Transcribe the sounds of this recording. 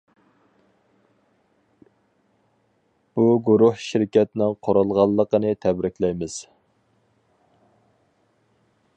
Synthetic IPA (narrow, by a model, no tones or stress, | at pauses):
b̥uɡuɾuhʃɪɾkʲɛt̪nɪŋqʰoɾʊlˠʁɑlˠːəqənɨt̪ʰɛbɾɪkʲlɛjmɪz̥